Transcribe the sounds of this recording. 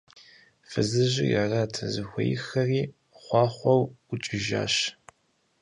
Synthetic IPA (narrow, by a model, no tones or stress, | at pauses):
fɨzɨʑɪjaraːtʰɐzɨxʷḛjɪxɐriː | χʷɑːχʷɔwʊt͡ʃʼɪʒa̰ːɕ